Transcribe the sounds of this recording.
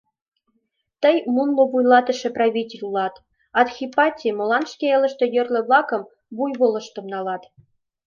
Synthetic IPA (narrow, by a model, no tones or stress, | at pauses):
t̪ə̆jmunlŏβujlˠɑt̪ə̆ʃĕprɑβʲitʲelʲulˠɑt̪ | ɑt̪xʲipɑtʲimŏlˠɑnʃkʲeelʲə̆ʃt̪ɤ̆jø̆rlʲɘ̆βlˠɑkɤ̆m | bujβolˠɤ̆ʃt̪ɤ̆mnɑlˠɑt̪